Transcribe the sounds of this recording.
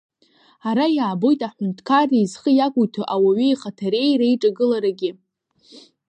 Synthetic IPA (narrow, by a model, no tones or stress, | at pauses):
aɾajaːbo̞jtʼaħʷʊntʰʼkʰariːzχəjakʷʼujtʰaʔawaɥiiχatʰaɾe̞jɾaiʈ͡ʂʼaɡɨlaɾaɡʲɪ